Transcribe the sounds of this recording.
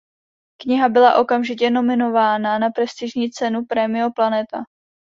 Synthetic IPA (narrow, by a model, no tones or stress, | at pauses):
kɲɪɦabɪlaʔo̞kamʒɪcɛno̞mɪno̞vaːnanapɾɛst̪ɪʒɲiːt͡sɛnupɾɛmɪoplanɛt̪a̰